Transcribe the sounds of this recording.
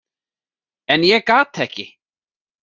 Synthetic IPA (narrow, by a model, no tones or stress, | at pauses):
ɛnjɛkaːt̪ɛhcɪ